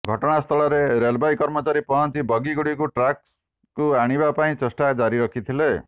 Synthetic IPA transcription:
ɡʱʌʈɔɽ̃ast̪ʰɔɭɔɾeɾelbajkʌɾmɔt͡ʃaɾipɔɦɔnt͡ʃibʌɡiɡuɽikuʈɾaks | kuaɽ̃ibapaĩt͡ʃesʈad͡ʒaɾiɾʌkʰit̪ʰile

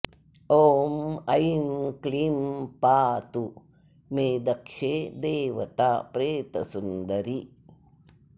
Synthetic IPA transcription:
oːmɐjmkɭimpaːt̪u | meːd̪ɐkʂeːd̪eːʋɐ̰t̪aːpɾeːt̪ɐ̰sund̪ɐɾi

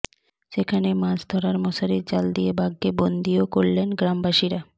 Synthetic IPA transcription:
ʃekʰanemãd͡ʑd̪ʱɔɾaɾmɔsaɾiɾd͡ʑald̪iebaɡːebond̪iokoɾlenɡɾambaʃiɾa

